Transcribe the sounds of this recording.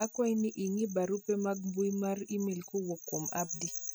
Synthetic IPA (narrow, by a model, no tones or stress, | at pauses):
akwainiʔiŋibaɾupɛmaɡ̚mbujimaɾimelkuwɔkːoma̰b̚di